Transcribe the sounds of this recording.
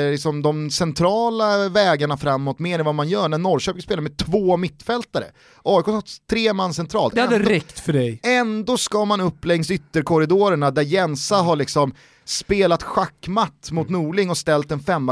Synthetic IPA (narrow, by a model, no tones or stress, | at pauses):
lɪksɔmd̪ɔmsɛnt̪ʰɾɑːlavɛːɡaɳafɾamːɔt̪meːɾɛnvamanjœːɳænɔɾʃœːpɪŋspeːlaɾmɛt̪ʰvoːmɪt̪ːfɛlt̪aɾə̰ | ʔɑːʏkoːt̪ʰːɾeːmanːsɛnt̪ʰɾɑːlt̪ɛhad̪əɾɛkt̪fœɖɛjɛnd̪oːskɑːmanɵpːlɛŋsʏt̪ːəɾkʰɔɾɪd̪oːɾəɳad̪æɾjɛnsaɦaɭɪksɔm | speːlat̪ɧakːmat̪ːmʊt̪nuːɭɪŋɔst̪ɛlt̪ɛnfɛmːa